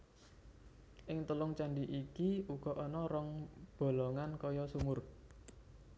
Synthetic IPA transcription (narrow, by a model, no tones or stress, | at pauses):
ʔɪŋt̪əlʊŋt͡ʃaɳɖiʔikiuɡ̥ɔ̤ʔɔnɔɾɔŋb̥o̤lɔŋankɔjɔsumʊr